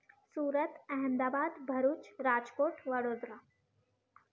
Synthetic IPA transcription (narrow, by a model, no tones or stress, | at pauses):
suːɾət̪ɛɦəmd̪aːbaːd̪bʱəɾuːt͡ʃɾad͡ʒkoːʈʋəɽoːd̪ɾa